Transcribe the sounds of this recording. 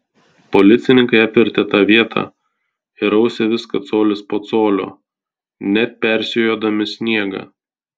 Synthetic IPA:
pɔlʲɪt̪sʲɪnʲɪŋkɐɪɐpʲʋʲɪɾʲt̪ʲɛt̪ɑːʋʲiɛt̪ʰɑ̰ː | ɪɾɒʊsʲɛʋʲɪskɐt̪soːlʲɪspoːt̪soːlʲo̰ː | nʲɛpʲɛɾʲsʲɪjoːd̪ɐmʲɪsʲnʲiɛɡɑ̰ː

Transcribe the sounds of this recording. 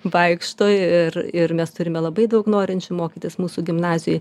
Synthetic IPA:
ʋɐɪkʃt̪oːjɪrɪrmʲɛst̪ʊɾʲɪmʲɛlˠɐbɐɪd̪ɐʊknoːɾʲɪnʲt͡ʃʲʊmoːkʲiːt̪ʲɪsmuːsuɡʲɪmnɑːzʲɪjʊj

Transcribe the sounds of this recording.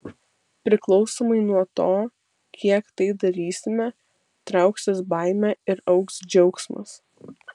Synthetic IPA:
pʲɾʲɪklˠɒʊsoːmɐɪnuɔt̪oː | kʲiɛkt̪ɐɪd̪ɐɾʲiːsʲɪmʲɛ | t̪ɾɑˑʊksʲɪsbɑˑɪmʲæɪɾɒʊksd͡ʒʲɛʊksmɐ̰s

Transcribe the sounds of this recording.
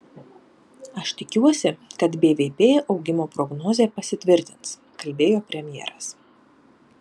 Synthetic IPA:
ɐʃt̪ʲɪkʲuɔsʲɪkɐt̪bʲeːʋʲeːpʲeːʔɒʊɡʲɪmoːpɾɔɡnoːzʲeːpɐsʲɪt̪ʲʋʲɪɾʲt̪ʲɪns | kɐlʲbʲeːjoːpʲɾʲɛmʲjḛːɾɐs

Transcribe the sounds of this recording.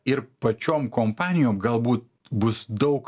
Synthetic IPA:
ɪɾpɐt͡ʃʲoːmkoːmpɑːnʲɪjoːmɡɐlˠbuːt̪̚ | bʊsd̪ɒʊk

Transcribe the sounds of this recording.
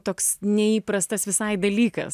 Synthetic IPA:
t̪oːksnʲɛiːpɾɐst̪ɐsʋʲɪsɐɪd̪ɐlʲiːkɐ̰s

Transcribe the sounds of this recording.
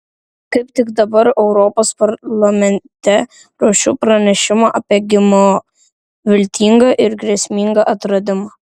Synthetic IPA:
kɐɪp̚t̪ʲɪkd̪ɐbɐɾɛʊɾɔːpoːspɐɾlˠɐmʲɛnʲt̪ʲɛ | ɾoːʃʲṵːpɾɐnʲɛʃʲɪmɐʔɐpʲɛɡʲɪmo | ʋʲɪlʲt̪ʲiːŋɡɐʔɪɾɡɾʲɛsʲmʲiŋɡɐʔɐt̪ɾɐd̪ʲɪmɐ

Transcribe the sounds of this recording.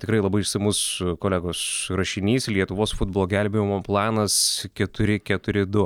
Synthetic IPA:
t̪ʲɪkɾɐɪlˠɐbɐɪɪʃsɐɪmʊskoːlʲæːɡoːsrɐʃʲɪnʲiːslʲiɛt̪ʊʋoːsfʊd̪̚boːlˠoːɡʲɛlʲbʲemʲɪmoplˠɑːnɐskʲɛt̪ʊɾʲɪkʲɛt̪ʊɾʲɪd̪ʊ

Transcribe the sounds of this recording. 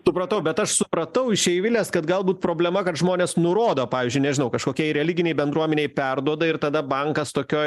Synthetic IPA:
sʊpɾɐt̪ɐʊbʲɛt̪ɐʃsʊpɾɐt̪ɐʊɪʃʲɛɪʋʲɪlʲeːskɐt̪ɡɐlˠbuːt̪̚pɾoːbʲlʲɛmɐkɐt̪ʒmoːnʲeːsnʊɾoːd̪oːpɑːʋʲiːzʲd͡ʒʲʊɪnʲɛʒʲɪnɐʊkɐʃkoːkʲiɛɾʲɛlʲɪɡʲɪnʲɛɪbʲɛnd̪ɾuɔmʲɛnʲeɪpʲɛrd̪uɔd̪ɐɪrt̪ɐd̪ɐbɐŋkɐst̪oːkʲoːj

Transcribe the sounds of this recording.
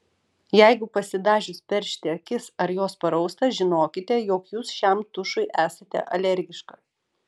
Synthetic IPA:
jɛɪɡʊpɐsʲɪd̪ɑːʒʲʊspʲɛɾʲʃʲt̪ʲɪɐkʲɪsɐɾjoːspɐɾɒʊst̪ɐʒʲɪnoːkʲɪt̪ʲɛjoːkjuːsʃʲɛmt̪ʊʃʊɪʔæːsɐt̪ʲɛ̰ʔɐlʲɛɾʲɡʲɪʃkɐː

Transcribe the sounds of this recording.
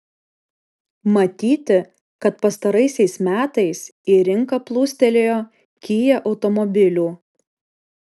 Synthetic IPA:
mɐt̪ʲiːt̪ʲɪ | kɐt̪pɐst̪ɐɾɐɪsʲɛɪsmʲæːt̪ɐɪsiːɾʲɪŋkɐplˠuːsʲt̪ʲɛlʲeːjoː | kʲiːjɛʔɒʊt̪ɔmɔbʲɪlʲuː

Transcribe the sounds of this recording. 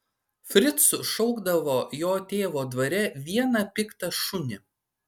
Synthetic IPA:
fʲɾʲɪt̪sʊʃɔʊɡd̪ɐʋoːjoːt̪ʲeːʋoːd̪ʋɐɾʲɛʋʲiɛnɐpʲɪkt̪ɐʃʊnʲɪ

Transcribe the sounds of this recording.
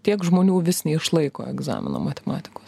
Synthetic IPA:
t̪ʲiɛkʒmoːnʲuːʋʲɪsʲnʲɛːɪʃlˠɐɪko̰ːɛɡzɑ̰ːmʲɪ̰nɐ̰mɐt̪ʲɛmɑ̰ːt̪ʲɪ̥koːs

